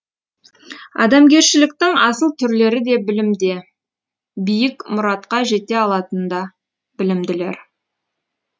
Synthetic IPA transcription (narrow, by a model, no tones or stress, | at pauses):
ɑ̰d̪ɑmɡʲe̞ɾʃɪlɪkt̪ɪŋɑsəlˠt̪ʰʏɾle̞ɾɪd̪e̞bɪlɪmd̪e̞ | bijɪkmʊɾɑt̪qɑʒe̞t̪e̞ɑlˠɑt̪ənd̪ɑ | b̥ɪlɪmd̪ɪle̞̰ɾ